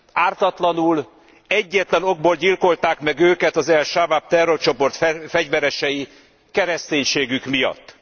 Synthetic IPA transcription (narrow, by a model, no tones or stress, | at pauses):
aːrt̪ɒt̪lɒnul | ɛɟːɛt̪lɛno̞ɡ̚boːlɟilko̞lt̪aːkmɛɡøːkɛt̪ɒzɛlʃavap̚t̪ɛrːo̞rt͡ʃo̞po̞rt̪ffɛɟvɛɾɛʃɛji | kɛɾɛst̪eːɲʃeːɡykmijɒ̰t̪ː